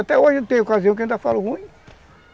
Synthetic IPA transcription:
at̪ɛoʒɪ̃t̪ẽj̃okaziɐ̃k̬aẽĩd̪afalʊhũĩ

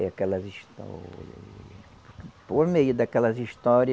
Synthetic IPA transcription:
jɐkɛlɐziʃt̪ɔ̰ɾiɐ̰ | kpoɾmejʊd̪ɐkɛlɐziʃt̪ɔɾiɐ

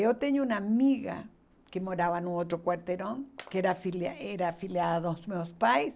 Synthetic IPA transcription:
ot̪eɲounamiɣa̰ | kemoɾaβanuot̪ɾokwaɾt̪eɾõŋkeɾafilaeɾafiljaðaðosmeospajs

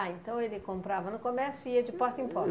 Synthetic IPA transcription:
aẽnt̪ɐ̃w̃elɪkõmpɾavɐnʊkomɛɾsjʊiɐd͡ʒɪpɔɾt̪ĩpɔ

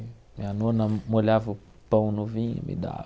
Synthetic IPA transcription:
mianonãmolavu | pə̃w̃nũvḭ̃mʔḭda̰

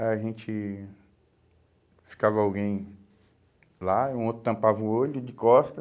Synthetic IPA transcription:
ɛaʒẽt͡ʃɪ | fi̥kavɐawɡẽj̃ | laiũot̪ɾʊt̪ɐ̃pavɐũoʎʊd͡ʒɪkɔst̪ɐ

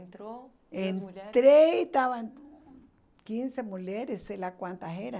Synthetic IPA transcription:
ent̪ɾeit̪aβan | kinsemuleɾeselakʷant̪aɦeɾa

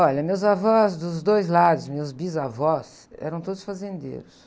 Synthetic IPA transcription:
ɔʎɐmewzavɔzd̪ʊzd̪ojzlad̪ʊsmewzbizavɔs | ɛ̰ɾɐ̃w̃t̪od̪ʊsfazẽnd̪ḛɾʊs

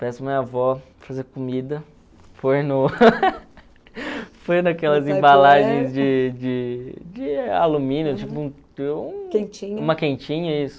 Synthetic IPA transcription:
pɛsʊmĩavɔ | fazeɾkomid̪ɐ | fojnʊ | fojnakɛlɐzẽbalaʒẽj̃zd͡ʒɪd͡ʒɪd͡ʒɪa̰lumĩnjʊt͡ʃipʊũ | ũkẽt͡ʃĩɲũmɐkẽt͡ʃĩɲɐisʊ̥

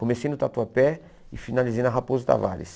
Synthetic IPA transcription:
komesẽnd̪ʊt̪at̪uɐpɛ | ɪfinalizẽnd̪ɦapozʊt̪a̰va̰lɪ̰s

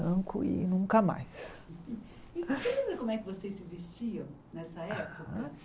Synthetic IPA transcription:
ɐ̃kʊ̰ɪ̰nũŋkɐma̰js | ɪsẽlẽbɾɐkõmʊɛkɪvosejssɪvest͡ʃiɐ̃w̃ | nɛsɐɛpʊkɐ

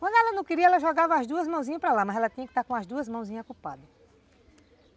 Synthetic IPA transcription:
kwɐ̃nd̪ʊɛlɐnɐ̃w̃kɪɾiɐɛlɐʒɔɡavɐːzd̪uɐzmɐ̃w̃zĩɲɐpɾɐlamɐzɛlɐt̪ĩɲɐkɪ̥t̪aɾkõɐzd̪uɐzmɐ̃w̃zĩɲɐkupa̰d̪ɐ

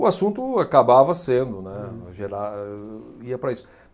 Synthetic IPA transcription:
ʊasũnt̪ʊakabavɐsẽnd̪ʊnɛʒeɾa | iɐpɾɐisʊ̥

